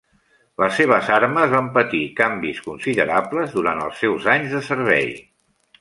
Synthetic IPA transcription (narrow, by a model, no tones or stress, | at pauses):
ləsːeβ̞əzaɾməzβampət̪ikambiskunsiðəɾapləzðuɾant̪ə̰lˠsɛwzaɲzðəsəɾβ̞ɛ̰j